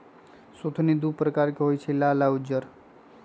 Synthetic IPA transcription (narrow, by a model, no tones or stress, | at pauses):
sot̪ʰnid̪upɾəkaɾkeɦojt͡ʃʰelalaud͡ʒəɾ